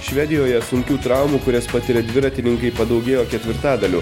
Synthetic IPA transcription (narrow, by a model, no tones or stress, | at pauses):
ʃʲʋʲɛd̪ʲɪjoːjɛsʊŋʲkʲuːt̪ɾɑˑʊmuːkʊɾʲɛspɐt̪ʲɪɾʲɛd̪ʲʋʲɪɾɐt̪ʲɪnʲɪŋkɐɪpɐd̪ɐʊɡʲeːjoːkʲɛt̪ʲʋʲɪɾt̪ɑːd̪ɐlʲṵː